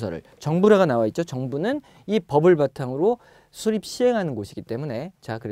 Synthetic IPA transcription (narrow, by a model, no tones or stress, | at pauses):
sʰʌɾɯ̰ɭt͡ɕʌŋbuɾaɡanawait̚t͡ɕ͈ot͡ɕʌŋbunɯn | ipʌbɯɭbatʰaŋɯɾo | sʰuɾip̚ɕʰiɦe̞ŋɦanɯnɡoɕʰiɡit͈e̞mune̞t͡ɕakɯɾ